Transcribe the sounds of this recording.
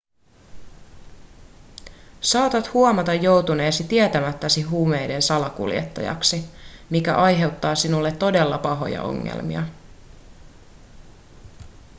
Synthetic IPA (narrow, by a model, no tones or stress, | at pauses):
sɑːt̪ɑt̪huomɑt̪ɑjːo̞wt̪une̞ːsit̪iet̪æmæt̪ːæsiɦuːme̞jde̞nsɑlɑkṵlje̞̰t̪ːɑ̰jɑ̰ksimikæ̰ʔɑjɦe̞wt̪ːɑːsinulːe̞t̪ːo̞de̞lːɑpɑɦo̞̰jɑ̰ʔo̞̰ŋːḛlmḭɑ̰